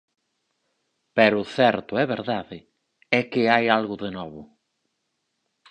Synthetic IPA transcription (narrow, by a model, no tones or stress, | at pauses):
pɛɾʊθɛɾt̪ʊɛβeɾðaðɪ | ɛkɪajalɣʊðenɔβʊ